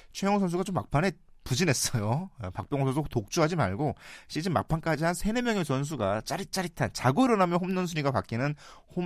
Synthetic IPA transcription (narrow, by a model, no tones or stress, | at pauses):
t͡ɕʰwejʌŋsʰʌns̬ʰuɡat͡ɕomːa̰k̚pʰane̞pud͡ʑinɦe̞s͈ʌjopak̚p͈jʌŋsʰʌsʰotok̚t͡ɕ͈uɦad͡ʑima̰ɭɡoɕʰid͡ʑimːa̰k̚pʰank͈ad͡ʑiɦansʰe̞nemjʌŋe̞sʰʌns̬ʰuɡat͡ɕ͈aɾit͡ɕ͈aɾitʰant͡ɕaɡoiɾʌnamjʌnɦomnʌnsʰuɾiɡapa̰k͈inɯn | ho